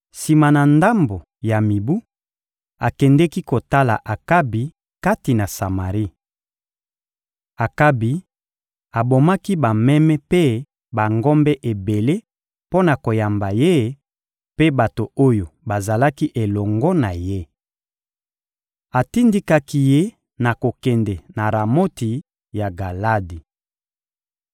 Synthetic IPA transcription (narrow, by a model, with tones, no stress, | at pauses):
si˨ma˨na˨nda˦mbo˨ | ja˨mi˨bu˦ | a˨kɛ˨ndɛ˦ki˦ko˨ta˦la̰˨ʔa˨ka˦bi˨ | ka˦ti˨na˨sa˨ma˨ʁi˦ | a˨ka˦bi˨ | a˨bo˨ma˦ki˦ba˨mɛ˦mɛ˦pe˦ | ba˨ŋɡɔ˦mbɛ˦ʔe˨be˨le˦ | po˦na˨ko˨ja˨mba˨je˦ | pe˦ba˨to˨o˦jo˨ba˨za˨la˦ki˦ʔe˨lɔ˨ŋɡɔ˦na˨je˦ | a˨ti˦ndi˦ka˦ki˦je˦ | na˨ko˨kɛ˨ndɛ˨na˨ɾa˨mo˦ti˨ | ja˨ɡa˨la˦di˨